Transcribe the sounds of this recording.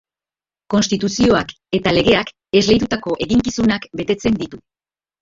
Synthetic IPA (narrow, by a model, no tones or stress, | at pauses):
ko̞nst̪it̪usio̞ak | e̞t̪ale̞ɣe̞ak | e̞zle̞jt̪ut̪ako̞ʔe̞ɣiŋkisunakbe̞t̪e̞t͡se̞nd̪it̪u